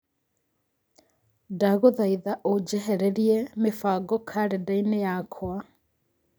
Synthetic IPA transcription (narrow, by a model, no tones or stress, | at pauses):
daɣoðaiðaʔod͡ʒɛɦɛɾɛɾiɛmefaɡɔkʰaɾedainejakʰwa